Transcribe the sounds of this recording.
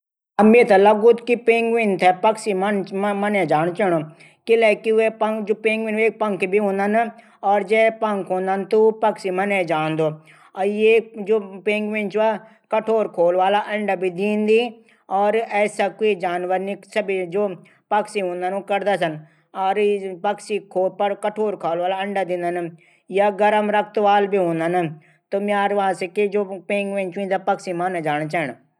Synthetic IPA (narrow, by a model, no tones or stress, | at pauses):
əmeːt̪aləɡʊt̪kipẽːŋɡʋɪ̃nt̪ʰɛpəksimnmənẽːd͡ʒaːñt͡ʃəɽ̃oː | kɪlɛːkiepəŋkd͡ʒoːpeːŋɡʋɪneːk̚pəŋkʰbʱiɦõːnd̪an | ɔːɾd͡ʒɛːpəŋkʰɦõːnd̪aːnt̪upəksiːmənẽːd͡ʒaːnd̪oː | jed͡ʒoːpẽːŋɡʋɪ̃nt͡ʃa | kəʈʰoːɾkʰoːlʋaːlaːʔəɳɖabʱid̪iːnd̪iː | ɔːɾɛːsaːkoid͡ʒaːnʋəɾniːsəbid͡ʒoː | pəksiɦõːnd̪aːnoːkəɾd̪aːs̬ən | ɔːɾpəksiːkʰoːpəkəʈʰoːɾkʰaːlʋaːlaːəɳɖaːd̪ɪ̃ːnd̪ənə | jaːɡəɾəmɾək̚ʰt̪ʋaːlbʱiːɦõːnd̪ana | t̪oːmjaːɾʋaãːseːked͡ʒoːpẽːŋɡʋẽnt͡ʃĩːnd̪aːpəksiːmaned͡ʒaːñt͡ʃɛːɳ